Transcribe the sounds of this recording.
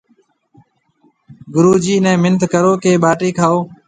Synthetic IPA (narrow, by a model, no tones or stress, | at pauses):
ɡʊɾuːd͡ʒiːnɛ̃ːmɪnt̪kəɾoːkeːɓaːʈeːkʰaːoː